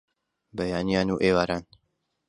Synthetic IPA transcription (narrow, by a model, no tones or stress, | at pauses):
bɐjaːnijaːnuːʔeːwaːɾaːn